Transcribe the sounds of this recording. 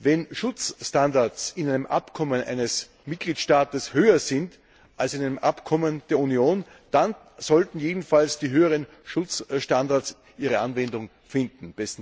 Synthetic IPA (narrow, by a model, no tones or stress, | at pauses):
vɛnʃʊt͡sʃtandaɐsɪnæɪnəmʔa̰pkʰɔmənʔæ̰ɪnəs | mɪt̚ɡ̥liːtʃtaːtəshøːɐzɪnt | ʔalsɪnæɪnəmʔapkʰɔmənd̥eːɐunioːn | d̥an | z̥ɔltn̩jeːdn̩falsd̥iːɦøːəʁən | ʃʊt͡sʃtandaɐs | ʔiːʁəʔanvɛndʊŋ | fɪndn̩b̥ɛs̩